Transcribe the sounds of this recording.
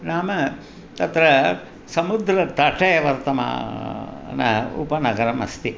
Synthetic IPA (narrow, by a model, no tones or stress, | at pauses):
naːmɐ | t̪ɐt̪ɾɐ | sɐmud̪ɾɐt̪ɐʈʰɐjɐʋɐɾt̪ɐma̰ː | nɐ̰ṵpɐnɐɡɐɾɐmɐ̰st̪i